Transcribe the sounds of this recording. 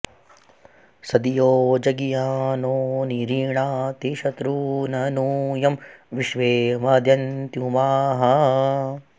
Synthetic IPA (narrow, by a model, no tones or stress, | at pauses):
sɐd̪ijoːd͡ʒɐɡijaːnoːniɾiːɳaːt̪eʃɐt̪ɾuːnɐnuːjɐmʋiʃʋeːmɐd̪jɐnt̪jumaːɦɐ